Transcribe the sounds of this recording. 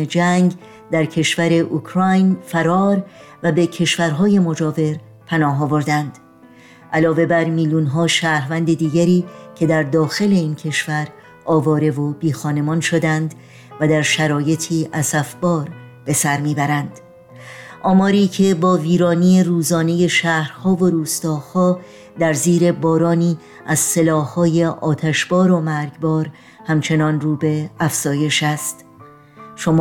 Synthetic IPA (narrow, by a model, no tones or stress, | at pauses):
ed͡ʒæŋɡ | d̪æɾcʰe̞ʃvæɾe̞ʔukʰɾɒjnfæɾɒːɾvæbe̞cʰe̞ʃvæɾɦɒːje̞mo̞d͡ʒɒːve̞ɾ | pʰænɒːɦɒːvo̞ɾd̪ænd̪̥ | ʔælɒːve̞bæɾmiːljuːnɦɒːʃæːɾvænd̪e̞d̪iːɡæɾiːcʰe̞d̪æɾd̪ɒːxe̞le̞iːncʰe̞ʃvæɾ | ʔɒːvɒːɾe̞vo̞biːxɒːne̞mɒːnʃo̞d̪ænd̪ | væd̪æɾʃæɾɒːje̞t̪ʰiːʔæsæfbɒːɾ | b̥e̞sæɾmiːbæɾænd̪̥ | ʔɒːmɒːɾiːcʰe̞bɒːviːɾɒːniːe̞ɾuːzɒːne̞je̞ʃæːhɾhɒːvo̞ɾuːst̪ɒːhɒː | d̪æɾziːɾe̞bɒːɾɒːniː | æz̥se̞lɒːhhɒːje̞ʔɒːt̪ʰæʃbɒːɾo̞mæɾɟbɒːɾ | hæmt͡ʃʰe̞nɒːnruːbe̞æfz̥ɒːje̞ʃæst̪ | ʃom